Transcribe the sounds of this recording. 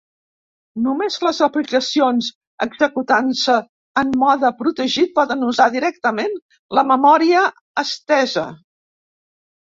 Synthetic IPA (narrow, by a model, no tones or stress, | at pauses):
numezləzəplikəsionz | əɡzəkut̪ansəː | mːɔðəpɾut̪əʒit̪̚pɔðənuzaðiɾɛk̚t̪əmen | ləməmɔɾiəː | st̪ɛzə̰